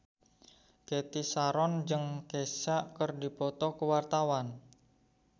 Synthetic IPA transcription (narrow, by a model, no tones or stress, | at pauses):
ket̪isaɾɔnd͡ʒəŋkesaʔkərdipɔt̪ɔkəwart̪awan